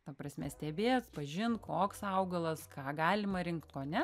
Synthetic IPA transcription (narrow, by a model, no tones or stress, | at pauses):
t̪ɐpɾɐsʲmʲɛsʲt̪ʲɛbʲeːspɐʒʲɪnkoːksɐʊɡɐlˠɐskɑːɡɑːlʲɪmɐɾʲɪŋkt̪koːnʲɛ